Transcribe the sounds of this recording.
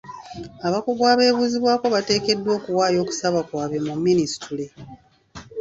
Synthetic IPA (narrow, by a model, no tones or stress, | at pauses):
aβakoɡwaːβe̞ːβuːziβwaːko̞βate̞ːke̞dːwo̞ːkuwaːjo̞ːku̥saβakwaːβe̞mumːinisi̥tʰule